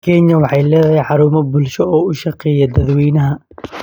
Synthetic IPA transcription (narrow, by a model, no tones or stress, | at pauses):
kʰɛnjɐwɑħɑjlɛːðɐɦɛjħɑɾuːmɐbʊlʃɔɔːʊʃɑqɛːjɐd̪ɐd̪wiːnɐɦɐ